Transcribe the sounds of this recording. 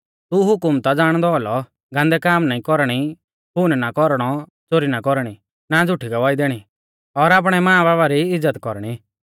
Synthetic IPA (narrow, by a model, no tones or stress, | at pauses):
t̪uɦʊkʊmt̪ad͡zaːɽ̃d̪ɔlɔ | ɡãːnd̪ɛkaːmnaːĩkɔɾɽ̃i | punnakɔɾɽ̃ɔt͡soːɾinakɔɾɽ̃i | nad͡zʊʈʰːiɡɐʋaːid̪eːɽ̃i | ɔːɾaːp̬ɽ̃ɛmãːbaːbaɾiɪd͡zːət̪kɔɾɽ̃i